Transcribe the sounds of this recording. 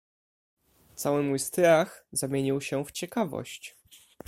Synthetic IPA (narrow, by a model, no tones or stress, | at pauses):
t̪sawɘmujst̪ɾaxzamʲjeɲiwɕɛft͡ɕɛkavɔ̰ɕt͡ɕ